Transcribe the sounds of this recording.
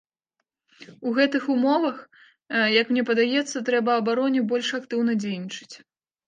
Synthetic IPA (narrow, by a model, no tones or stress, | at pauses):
uɣɛt̪ɨxumɔvɐx | jɐkmnʲɛpɐd̪ajɛt̪sːɐt̪ɾɛbɐɐbaɾɔnʲɛbɔlʲʂakt̪ɨwn̪ɐd͡zʲejnʲit͡ʂɨ̥t͡sʲ